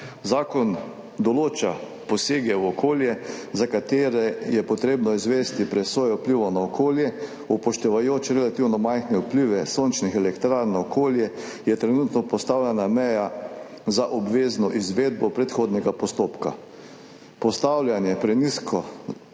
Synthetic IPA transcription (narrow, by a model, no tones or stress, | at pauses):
zaːkɔn | d̪ɔloːt͡ʃa | pɔseːɡɛwɔkʰoːljɛzakat̪eːɾɛjɛpɔt̪ɾeːbnɔizʋɛːst̪ipɾɛsʋoːjɛupliʋɔnaɔkʰoːljɛ | upɔʃt̪ɛʋajoːt͡ʃɾɛlat̪iwnɔmajxnɛupliːʋɛsont͡ʃnixɛlɛkt̪ɾaɾnɔkʰoːljɛ | jɛt̪ɾɛnuːt̪nɔpɔst̪awlʲjanamɛja | zaʔɔbʋeːznɔʔizʋeːd̪̚bɔpɾɛt̪xoːd̪nɛɡapɔst̪oːpka̰ | pɔst̪awlʲjanjɛpɾɛniːskʰɔ